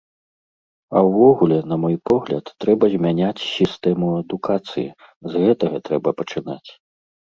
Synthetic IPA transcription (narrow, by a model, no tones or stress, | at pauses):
ɐwvɔɣulʲɛn̪ɐmɔjpɔɣlʲɐ̰t̪ːɾɛbɐzʲmʲanʲat͡sʲsʲist̪ɛmuɐd̪ukʰat̪sɨjḭ | zɣɛt̪ɐɣɐt̪ɾɛbɐpɐt͡ʂɨna̰t͡sʲ